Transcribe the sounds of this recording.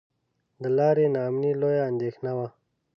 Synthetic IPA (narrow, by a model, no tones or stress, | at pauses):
d̪əlɑːɾenɑːmnilojaːnd̪exnawa